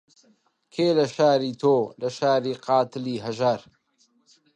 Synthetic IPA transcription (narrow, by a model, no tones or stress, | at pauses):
kʰeːlɐʃaːɾiːt̪ʰoːlɐʃaːɾiːqɑːt̪ɨliːɦɐʒaɾ